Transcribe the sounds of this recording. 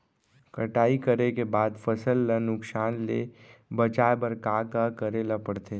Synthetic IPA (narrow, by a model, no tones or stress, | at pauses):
kəʈaːikəɾekebaːd̪fʰəsəlːənʊksaːnlḛbət͡ʃaːebəɾkaːkakɐɾeːlapɐɽt̪eː